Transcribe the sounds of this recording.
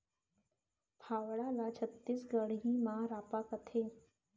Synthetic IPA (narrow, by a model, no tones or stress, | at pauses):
pʰaːʋɽalat͡ʃʰət̪ːiːsɡəɽɦĩmãɾaːpakət̪ʰeː